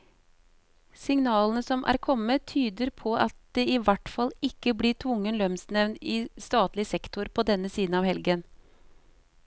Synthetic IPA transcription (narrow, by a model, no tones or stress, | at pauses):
sɪŋnɑːlənəsɔmʔæ̰ːɾkʰɔmːət̪ʰyːd̪əɾpʰɔʔɑt̪̚d̪̥eɪʋæʈfɑlɪkːəbliːʈʰʋʊŋːənlœmsnɛʋnɪːst̪ɑːt̪lɪsɛkt̪ʊɾpʰɔd̪ɛnːəsiːd̪n̩ɑːʋhɛlɡən